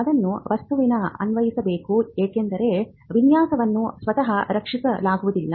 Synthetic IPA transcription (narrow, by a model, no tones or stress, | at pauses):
ɐd̪ɐnːuʋɐst̪uʋinɐɐ̰nʋɐjisɐbeːkueːkend̪ɐɾe̞ | ʋinjaːsɐʋɐnːusʋɐt̪ɐɦɐɾɐkʂisɐlaːɡuʋud̪ilːɐ